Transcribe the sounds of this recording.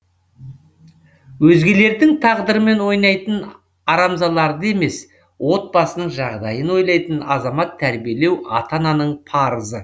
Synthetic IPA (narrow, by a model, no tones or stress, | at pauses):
wɵzɡʲe̞le̞ɾd̪ɪŋt̪ʰɑʁd̪əɾəme̞nwo̞jnɑjt̪ən | ɑɾɑmzɑlˠɑɾd̪əe̞me̞s | wo̞t̪̚bɑsənəɴʒɑʁd̪ɑjənwo̞jlˠɑjt̪ənɑzɑmɑt̪ʰːæɾbijele̞wɑ̰t̪ɑnɑnəɴpʰɑɾəzə